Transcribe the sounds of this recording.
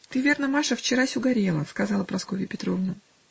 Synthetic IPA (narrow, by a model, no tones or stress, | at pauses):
t̪ɨvʲe̞rnəmaʂəft͡ɕɪɾasʲʊɡɐɾʲelˠəskɐzɑlˠəpɾɐskovʲɪpʲɪt̪ɾo̞vnə